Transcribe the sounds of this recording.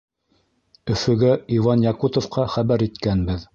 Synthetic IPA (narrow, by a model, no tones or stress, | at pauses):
ɵ̆fɵ̆ɡæivɑnjɑkut̪ŏfqɑχæβæɾit̪kænbɘð